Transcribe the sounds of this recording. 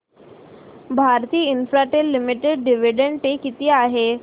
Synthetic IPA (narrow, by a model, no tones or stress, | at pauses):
bʱaɾt̪iːinfɾaʈelːimiʈeɖɖiʋiɖəɳʈʈekit̪iːaɦe